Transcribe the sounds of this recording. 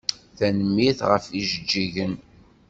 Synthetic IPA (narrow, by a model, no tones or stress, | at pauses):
θænəmːiθʁəfiʒəd͡ʒːiʝən